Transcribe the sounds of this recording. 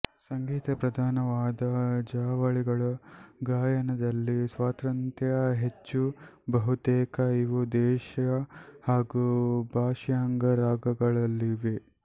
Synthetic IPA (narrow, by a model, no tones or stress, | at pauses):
sɐŋɡiːt̪ɐpɾɐd̪ʱaːnɐʋaːd̪ɐd͡ʒaːʋɐɭiɡɐɭɐɡaːjɐnɐd̪ɐlːisʋaːt̪ɾɐnt̪jɐɐɦet͡ʃːu | bɐɦut̪eːkɐiʋud̪ɛːʃɐhaːɡubʱaːʃjaːŋɡɐɾaːɡɐɡɐɭɐlːiʋe